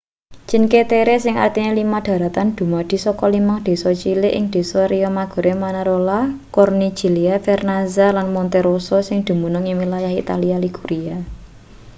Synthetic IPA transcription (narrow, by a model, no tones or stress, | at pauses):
t͡ʃinket̪eɾesɪŋa̰rt̪inelimaɖ̪̥ä̤ɾat̪and̪̥ṳmɔd̪̥i̤sɔkɔlimaŋd̪̥e̤sɔt͡ʃilɪʔɪ̰ŋd̪̥e̤sɔɾiɔmaɡ̥ɔ̤ɾʔemanaɾolakɔrni̥d͡ʒ̥i̤liafɛrnazalanmɔnt̪eɾososɪŋd̪̥ṳmunʊŋimilajahḭt̪a̰lialiɡ̥uɾia